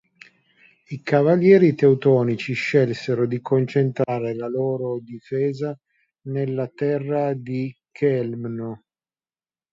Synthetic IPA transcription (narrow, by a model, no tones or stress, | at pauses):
ikavaljɛːɾit̪eut̪ɔːnit͡ʃiʃɛlseɾod̪ikont͡ʃent̪ɾaːɾelaloːɾod̪ifɛːza | nelːat̪ɛrːad̪ikʰɛlmno